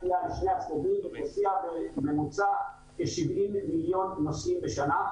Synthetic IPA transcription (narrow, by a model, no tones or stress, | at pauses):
ijaniʃneasmobimnot͡siabmemut͡sa | eʃivʔimːiljo̞nnosʔimbeʃana